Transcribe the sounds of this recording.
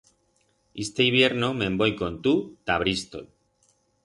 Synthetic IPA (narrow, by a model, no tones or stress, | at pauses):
ist̪eiβ̞je̞ɾno̞mẽmbo̞jko̞nt̪ut̪aβ̞ɾist̪o̰l